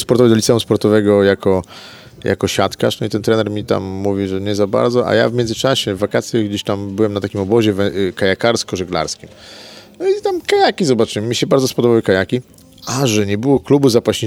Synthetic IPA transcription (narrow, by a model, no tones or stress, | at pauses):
spɔɾt̪ɔvəd̪ɔlʲitsɛũspɔɾt̪ɔvɛɡɔjakɔ | ja̰kɔɕat̪ka̰ʂnɔit̪ɛnt̪ɾɛnɛɾmʲit̪a̰mːuvʲiʐɛɲɛzaba̰ɾd̪zɔʔa̰ja̰vmʲɛndzɨt͡ʂaɕɛvːakat̪sʲjaɡd͡ʑeɕt̪ambɘwɛmnat̪akʲimɔbɔʑɛvɛkajakaɾskɔʐɛɡla̰ɾskʲimnit̪amkajakʲizɔbat͡ʂɨwɛmːʲiɕɛbaɾd̪zɔspɔd̪ɔbawɘkajakʲi | aʐɛɲɛbɘwɔklubuzapaɕi